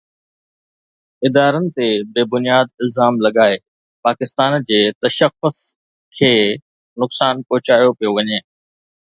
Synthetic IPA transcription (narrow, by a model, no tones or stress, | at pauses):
ɪd̪aːɾənɪ̆t̪ebeːbʊnijaːd̪̚ɪlzaːmlɐɠaːe | paːkɪst̪aːnd͡ʑeːt̪ɐʃəxʊs | kʰeː | nʊksaːnpɔɦʊt͡ɕaːijopijoʋɐɲeː